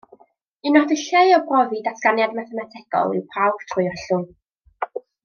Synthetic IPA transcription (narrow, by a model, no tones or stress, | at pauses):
ɪnɔdəɬejɔbrɔvidasʰɡ̥anjadmaθɛmatʰɛɡ̥ɔ̰lˠɪ̰wpʰawb̥tʰrʊjɔɬʊm